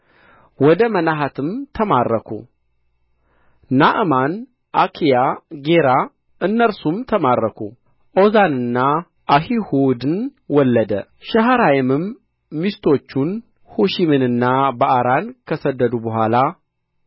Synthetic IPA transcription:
wɔd̪əmənaɦat̪ʰɨmt̪ʰəmaɾːəkʰṵ | naʔman | ʔakʰijaɡe̞ɾa | ɨnːəɾsumt̪ʰəmaɾːəkʰṵ | ʔo̞zanɨnːa | ʔahihud̪ɨnwɔlːəd̪ə̰ | ʃəɦaɾajɛmɨmː | ist̪ʰo̞t͡ʃːun | huʃimɨnɨnːabəʔaɾankʰəsəd̪ːəd̪ubəɦʷala

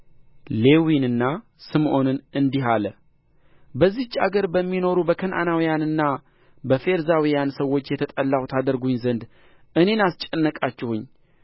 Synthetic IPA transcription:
le̞winɨnːa | sɨmʔo̞nɨnɨnd̪iɦalə | bəzːiht͡ʃːa̰ɡəɾbəmːino̞ɾubəkʰənʔa̰nawijanɨnːa | bəfe̞ɾzawijansəwːo̞t͡ʃːjɛt̪ʰət̪ʼəlːawut̪ʰad̪əɾɡuɲzənd̪ | ɨne̞nast͡ʃʼənːəkʼat͡ʃːɪhuɲː

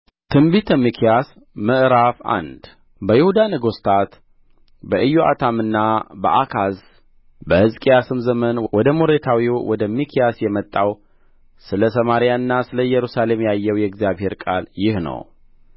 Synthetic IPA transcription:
t̪ʰɨmbit̪ʰəmːikʰijas | məʔɾafa̰nd̪ | bəjɪhud̪anəɡost̪ʰat̪ | bəʔɨjːoa̰t̪ʰamɨnːabə̰ʔakʰaz | bəhɨzkʼijasɨmzəmənwɔd̪əmoɾet̪ʰawiwɔd̪əmikʰijasjɛmət̪ʼːaw | sɨləsəmaɾijaɨnːasɨləjɛɾusale̞mjajːɛwjɛɡzijaβhe̞ɾkʼa̰ljɪhnə̰w

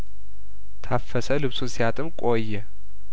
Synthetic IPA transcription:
t̪ʰafːəsəlɨβsunsijat̪ʼɨmkʼojːɛ

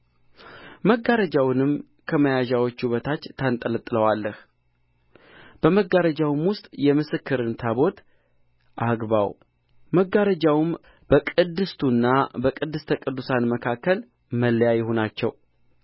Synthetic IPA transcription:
məɡaɾəd͡ʒawnɨm | kʰəməjaʒawot͡ʃːuβət̪ʰat͡ʃːt̪ʰːant̪ʼələt̪ʼːɨləwalːəh | b̥əməɡaɾəd͡ʒawmwʊst̪ʼjɛmɨsɨkːɨɾɨnt̪ʰaβo̞t̪ | ʔaɡβa̰w | məɡːaɾəd͡ʒawm | b̥əkʼɨd̪ɨst̪ʰunːabəkʼɨd̪ːɨst̪ʰəkʼɨd̪ːusanməkʰakːəl | məlːəjajɪhonat͡ʃːɛw

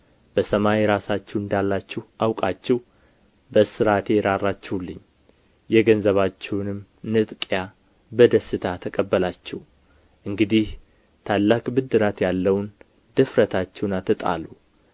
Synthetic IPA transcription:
bəsəmajeɾasat͡ʃːɛwɨnd̪alːat͡ʃːɛhʔawkʼat͡ʃːɛw | bəsɨɾat̪ʰejɾarːat͡ʃːɛhwulːɨɲː | jɛɡənzəβat͡ʃːɛwnɨm | nɨt̪ʼkʼja | bəd̪əsːɨt̪ʰat̪ʰəkʼəbːəlat͡ʃːɛw | ʔɨŋɡɨd̪ih | t̪ʰalːakʼbɨd̪ɨɾat̪jalːəwn | d̪̥ɨfɾət̪ʰat͡ʃːɛwnat̪ʰːɨt̪ʼa̰lu

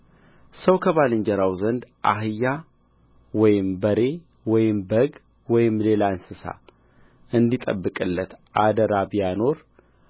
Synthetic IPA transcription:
səwkʰəβalɨɲd͡ʒəɾawzənd̪ʔa̰ɦɨjːa | wɔjɪmbəɾe̞ | wɔjɪmbəɡ | wɔjɪmle̞lansɨsa̰ | ɨnd̪it̪ʼə̰bːɨkʼɨlːət̪ʔad̪əɾabjano̞ɾ

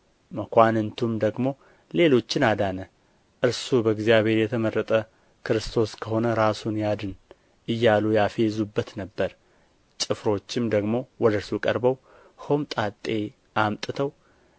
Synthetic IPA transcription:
məkʷanɨnt̪ʰumd̪əɡmo̞ | le̞lo̞t͡ʃːɪnad̪anə | ʔɨɾsubəɡzijaβhe̞ɾjɛt̪ʰəmərːət̪ʼə | kʰɨɾɨst̪ʰo̞skʰəho̞nəɾasunjad̪ɨn | ʔɨjːalujafe̞zubːət̪nəbːəɾ | t͡ʃʼɨfɾo̞t͡ʃːɪmd̪əɡmo̞wɔd̪əɨɾsukʼəɾbəw | homt̪ʼat̪ʼːe̞ | ʔamt̪ʼɨt̪ʰəw

